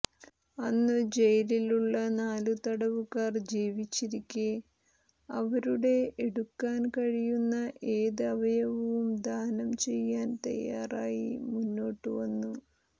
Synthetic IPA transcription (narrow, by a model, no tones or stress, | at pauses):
ɐnːɨd͡ʑe̞jɐliluɭːɐnaːlut̪ɐɽɐʋukaːrd͡ʑiːʋit͡ɕːiɾikʲːɨ | ɐʋɐɾuɽe̞eɽukːaːnkɐɻijunːɐʔeːðɐʋɐjɐʋɐʋumd̪ʱaːnɐmt͡ɕe̞jːaːnt̪ɐ̰jːaːraːjḭmunːo̞ːʈːɨʋɐnːu